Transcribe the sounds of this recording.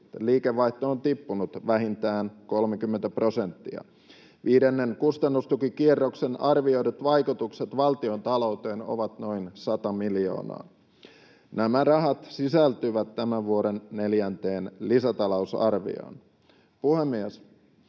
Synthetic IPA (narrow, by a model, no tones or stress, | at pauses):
æliːkeʋːɑiht̪oːnt̪ipːunut̪ʋæɦint̪æːnko̞lmekymːent̪æpro̞sent̪ːiɑ̰ | ʋiːdenːeŋkust̪ɑnːust̪ukikierːoksenɑrʋio̞idut̪ʋɑjkut̪ukset̪ʋɑlt̪io̞nt̪ɑlo̞wt̪eːno̰ʋɑt̪noinsɑt̪ɑmilio̰ːnɑ̰ː | næmærɑɦɑt̪sisælt̪yʋæt̪ːæmæʋʋuoɾenːeljænt̪eːnlisæt̪ɑlousɑ̰rʋḭo̰n | puhemːies